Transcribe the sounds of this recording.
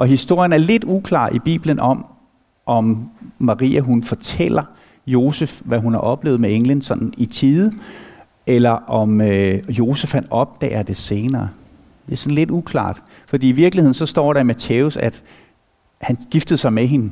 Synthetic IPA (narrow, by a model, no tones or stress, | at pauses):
ʔɒ̽ɦisd̥o̝ɐ̰jənæɐle̝d̥ukʰlɑ̰̈ːʔib̥ḭːb̥lənʔɒ̽m | ʔɒ̽mːɑ̈ʁḭːæɦunfɒ̽t͡sʰel̰ɐ | jo̝ːsefʋæɦunhɑ̈ʔɒ̽b̥le̝̰ːʊð̩ˠmeeŋlənsɒ̽nn̩it͡sʰiːðˠ | elɐʔɒ̽møjo̝ːsefhænɒ̽b̥̚d̥ɛ̰ːɐd̥e̝se̝ːnɐː | d̥e̝æsɒ̽n̩le̝d̥ukʰlɑ̰̈ːd̥ | fɒd̥ḭːiʋiɐɡ̥lihe̝ð̰ˠn̩sɒ̽sd̥ɒ̰ːɾɑ̈imæt͡sʰeʊsæd̥ | hænɡ̥ifd̥əð̞̩ˠsɑ̈ɪmeɦe̝nə